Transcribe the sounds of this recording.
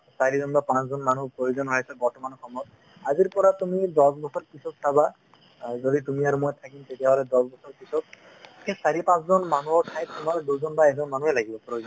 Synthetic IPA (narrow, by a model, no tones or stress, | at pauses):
saɾizɔnbapãt͡szɔnmanupɾojozɔnɦɔjsabɔɹʈɔmanɔkʰɔmɔt | aziɾpɔɾat̪umid̪ɔsbɔsɔɾkisɔt̪̚sʰaba | zodit̪umiaɾumojt̪ʰakint̪etijaɦɔlɛd̪ɔsbɔsɔɾkisɔt̚ | kʰesaɾipãszɔnmanuɔkʰajt̪t̪umaɾɔduzɔnbaɛzɔnmanuelaɡʱibɔpɾojozɔn